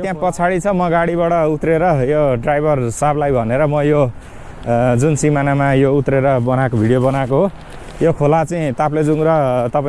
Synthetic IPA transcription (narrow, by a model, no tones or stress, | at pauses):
t̪jãpʌt͡sʰaɽit͡sʰʌmʌɡaɽibaʈʌut̪reɾʌjoɖrajbʱʌrsablajbʱʌneɾʌmʌjo | d͡zunsimanamajout̪reɾʌbʌnakobʱiɽijobʌnakoɦo | jokʰolat͡saĩt̪apled͡zuŋɾʌt̪ʌpa